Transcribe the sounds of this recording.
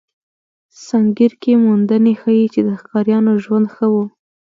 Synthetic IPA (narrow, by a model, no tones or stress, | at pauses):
saŋɡiɾkemund̪ənexəjit͡ʃed̪əxkɑɾjɑnoʒwand̪xəwu